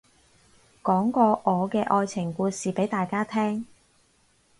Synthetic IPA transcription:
kɔː˨˥ŋkɔː˧ʔɔː˨˧kɛː˧ʔɔː˧jt͡sʰɪ˨˩ŋkuː˧siː˨pe˨˥jt̪aː˨jkaː˥t̪ʰɛː˥ŋ

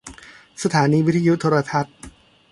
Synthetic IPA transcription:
sa˧t̪ʰaː˩˦niː˧wi˦˥t̪ʰːaː˧ju˦˥t̪ʰoː˧ɾa˧t̪ʰa˦˥t̪̚

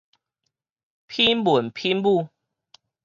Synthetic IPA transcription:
pʰi˦nmu˨˩npʰi˦nbu˥˨

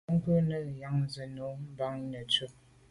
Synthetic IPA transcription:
ŋ˦kə˦nə˦˨ja˨˦ŋ˦zə˨no˨˦m̩˦ba˦ŋnə˨t͡su˦ʔ̚

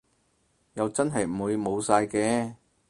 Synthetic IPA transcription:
jɐ˨˧wt͡sɐ˥nɦɐ˨jm̩˨˩wu˨˧jmo˨˧wsaː˧jkɛː˧

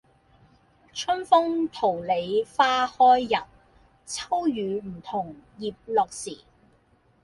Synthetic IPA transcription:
t͡ʃʰɵ˥nfʊ˥ŋt̪ʰo˨˩wle˨˧jfaː˥hɔː˥jːɐ˨p̚ | t͡sʰɐ˥wjyː˨˧m̩˨˩t̪ʰʊ˨˩ŋjiː˨p̚lɔː˨˧k̚siː˨˩

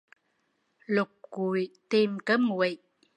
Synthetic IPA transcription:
lʊ˨˩k̚ku˨˩jt̪i˧mkə˦˥mwi˨

